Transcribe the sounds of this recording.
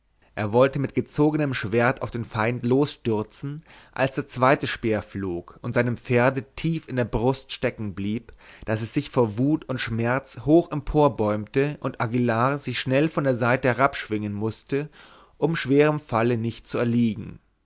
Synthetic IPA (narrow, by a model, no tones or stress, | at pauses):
ʔeːɐvɔltəmɪtɡ̥ət͡soːɡənəmʃv̥eːɐtaʊfd̥eːnfaɪntloːsʃtʏɐt͡sn̩ʔa̰lsd̥eːɐt͡sv̥aɪtəʃpeːɐfloːkʊntz̥aɪnəmp͡feːɐdətʰiːfɪndeːɐbʁʊstʃtɛkŋ̩bliːpd̥asɛsz̥ɪçfoːɐvuːtʰʊntʃmɛɐt͡shoːxʔɛmpʰoːɐbɔʏmtəʔʊntʔaɡilaːzɪçʃnɛlfɔndeːɐzaɪtəhɛɐʁapʃv̥ɪŋənmʊstə | ʔʊmʃv̥eːʁ̞əmfalənɪçt̚t͡suɛɐliːɡŋ̩